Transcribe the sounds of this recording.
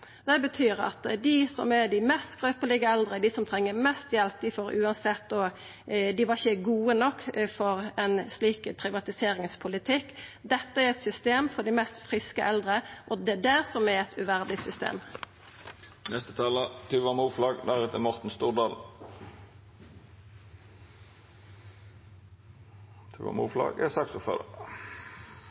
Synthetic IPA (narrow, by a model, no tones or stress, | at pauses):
d̪̥ɛbət̪ʰyːɾɑ̰t̪d̪ɪsɔ̰mɛd̪ɪmɛst̪ɡʁøːpəlɪɡəɛld̪ʁəd̪ɪsɔmt̪ʰɾɛŋːəmɛst̪jɛlp̚d̪ɪfoːɾʉːɑnsɛt̪̚ːo | d̪ɪʋɑçəɡuːənɔkːfɔɾɛnsliːkpʰɾɪʋɑt̪ɪseːɾɪŋspʰʊlɪt̪ʰɪkːd̪ɛt̪ːəæɾɛt̪sʏst̪eːmfɔɖɪmɛst̪fɾɪskəʔɛld̪ɾəʔɔd̪ɛd̪æːʁsɔmæɛt̪ʰʉʋæʁd̪ɪsʏst̪ḛːm | nɛst̪ə̥t̪ʰɑːlət̪ʰʉʋɑmuːflɑːɡd̪æʁɛt̪əmɔʁt̪n̩st̪uːʁd̪ɑːl | t̪ʰʉ̰ːʋɑ̰mṵːflɑ̰ːɡɛ̰sɑksɔfœ̰d̪ə̰